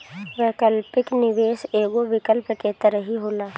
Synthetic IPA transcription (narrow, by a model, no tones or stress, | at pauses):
ʋeːkəlpɪknɪʋeːʃeːɡoʋɪkəlpket̪əɾəɦiɦoːlaː